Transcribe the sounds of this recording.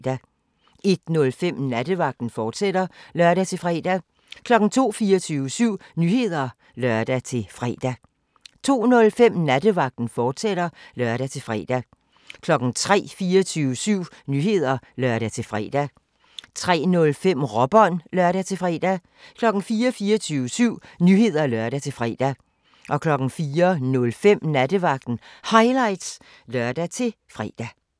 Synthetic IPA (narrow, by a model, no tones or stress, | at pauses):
dæ | e̝d̥nɔ̽lfem̰næd̥əʋɑ̈ɡ̥̚d̥n̩fɒːd̥sed̥ɐlɶɐɾ̥æt͡sʰe̝fʁɛ̰ːd̥æ | kʰlɒ̽ɡ̥n̩t͡sʰo̝̰ːfiːɐt͡sʰyːʋəsyʊ̰nyːhe̝ð̞̰ˠɐ | lɶɐd̥æt͡sʰe̝lfʁɛ̰ːd̥æ | t͡sʰo̝̰ːnɔ̽lfem̰næd̥əʋɑ̈ɡ̥̚d̥n̩fɒːd̥seɾ̥ɐlɶɐɾ̥æt͡sʰe̝fʁɛ̰d̥æ | kʰlɒ̽ɡ̥n̩t͡sʰʁɛ̰ːfiːɐt͡sʰyːʋəsyʊ̰nyhe̝ð̞̰ˠɐlɶɐɾ̥æt͡sʰe̝fʁɛ̰ːd̥æ | t͡sʰʁɛ̰ːnɔ̽lfem̰ʁɒ̽b̥ɒ̽nlɶɐɾ̥æt͡sʰe̝fʁɛ̰ːd̥æ | kʰlɒ̽ɡ̥n̩fiːɐfiːɒt͡sʰyːʋəsyʊ̰nyhe̝ð̞̰ˠɐlɶɐɾ̥æt͡sʰe̝lfʁɛ̰ːd̥æ | ʔɒ̽kʰlɒ̽ɡ̥n̩fiːɐnɔ̽lfem̰næd̥əʋɑ̈ɡ̥̚d̥n̩hɑ̈ɪlɑ̈ɪd̥s | lɶɐ̰d̥æt͡sʰe̝l | fʁɛ̰ːd̥æ